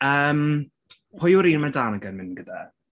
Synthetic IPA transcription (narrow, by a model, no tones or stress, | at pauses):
əːm | hʊjʊɾiːnmadaːnaɡənmɪnɡəda